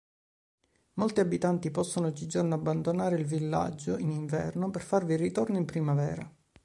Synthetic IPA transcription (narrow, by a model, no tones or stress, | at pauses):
molt̪iabit̪ant̪ipɔsːonoɔd͡ʒːid͡ʒornoabːand̪onaːɾeilvilːa̰d͡ʒːoiniɱvɛ̰rnoperfarvirit̪ornoimpɾimavɛ̰ːɾa